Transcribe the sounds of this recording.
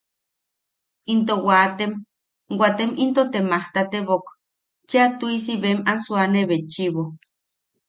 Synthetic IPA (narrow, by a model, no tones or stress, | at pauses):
int̪owat̪em | wʷat̪emint̪ot̪emaht̪at̪eβok | t͡ʃeat̪uis̬iβemansuaneβet͡ʃiβo